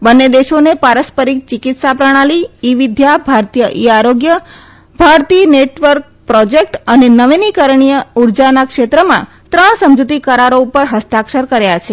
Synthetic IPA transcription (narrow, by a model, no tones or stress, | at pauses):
bənːed̪eʃonepaɾəspəɾik̚t͡ʃɪkɪt̪sapɾəɽ̃aliiʋid̪ʱjabʱaɾt̪ijəʔiaɾoɡjə | bʱaɾt̪ineʈʋəɾk̚pɾɔd͡ʒek̚ʈənenəʋinikəɾɳ̃ijəuɾd͡ʒanakʃet̪ɾəmã̰ | t̪ɾəɳ̃səmd͡ʒut̪ikəɾaɾoupəɾɦəst̪akʃəɾkəɾjat͡ʃʰe